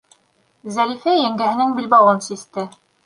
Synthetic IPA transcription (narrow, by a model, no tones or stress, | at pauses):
zæɾifæjæŋɡæhɘ̆nɘŋbilbɑwɤnsist̪ɘ